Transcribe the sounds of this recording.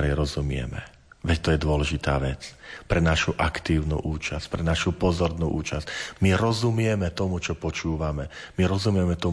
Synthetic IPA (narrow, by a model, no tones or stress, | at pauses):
ɾɛjɾɔzumɪɛ̰mɛ̰ | ʋɛct̪ɔjɛd̪ʊɔlɛʒit̪a̰ːʋɛt͡spɾɛnaʃuʔakt̪iːʊnṵːʔuːt͡ʃasc̚pɾɛnaʃupɔzɔɾnuʔuːt͡ʃascmiɾɔzumɪɛmɛt̪ɔmut͡ʃɔpɔt͡ʃuːʋamɛmiɾɔzumɪɛmɛt̪ɔ